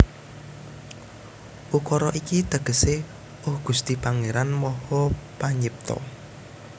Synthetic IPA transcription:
ʔukɔɾɔʔikit̪əɡ̥ə̤se | ʊhɡ̥ust̪ipaŋeɾanmɔhɔpaɲip̚t̪ɔ̰

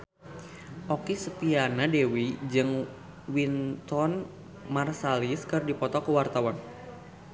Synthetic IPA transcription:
ʔɔkisət̪ianadewid͡ʒɨŋ | wint̪ɔn | marsaliskərdipɔt̪ɔkəwart̪awan

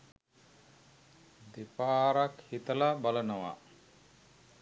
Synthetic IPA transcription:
d̪epaːɾakhit̪əlabalənəʋa̰

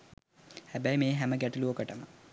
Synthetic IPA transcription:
hæbæjmeːɦæməɡæʈuluokəʈəmə

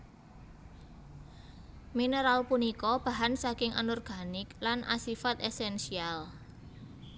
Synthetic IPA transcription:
mineɾalpunikɔb̥a̤ɦansakɪŋʔa̰nɔrɡ̥a̤nɪklanʔa̰sifat̪ɛsɛnsial

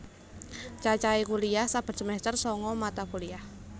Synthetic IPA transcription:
t͡ʃat͡ʃaikuliahsab̥a̤t̪səmɛst̪ərsɔŋɔmat̪akuliah

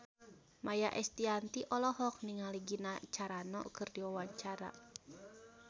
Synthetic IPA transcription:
majaʔɛst̪iant̪iʔɔlɔɦɔk̚niŋaliɡinat͡ʃaɾanɔ̰kɨrdiwawaɲt͡ʃaɾa̰

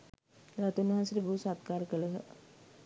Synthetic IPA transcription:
ɾat̪unːuɦãnsəɾibʱuːsat̪̚kaːɾəkələɦə̰

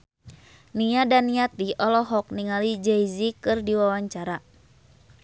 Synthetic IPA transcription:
niadanːiat̪iʔɔlɔɦɔk̚niŋalid͡ʒɛizikɨrdiwawaɲt͡ʃaɾa

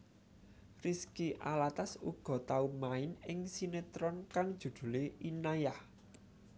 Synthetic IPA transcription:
riskiʔalat̪asuɡ̥ɔ̤t̪aumaɪnɪŋsinet̪ɾɔnkaŋd̥ʒ̥ṳd̪̥ṳleinajah

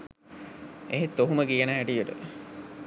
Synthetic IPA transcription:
eɦet̪ːoɦuməkijənəɦæʈijəʈə̰

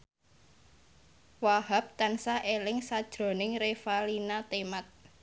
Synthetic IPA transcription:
wahap̚t̪ansaʔelɪŋsad̥ʒ̥ɾo̤nɪŋrefalinat̪emat̪̚

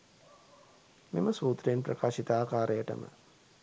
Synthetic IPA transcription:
miməsuːt̪ɾjinprɐkaːʃit̪aːkaːɾejəʈə̰mə̰

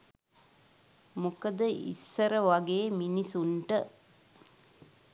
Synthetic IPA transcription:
mukəd̪əʔḭsːəɾəʋaɡeːminisuɳʈə

